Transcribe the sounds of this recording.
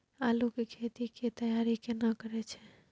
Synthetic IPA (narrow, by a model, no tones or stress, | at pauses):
alukekʰet̪iket̪əjaɾikenakəɾɛt͡ʃʰɛ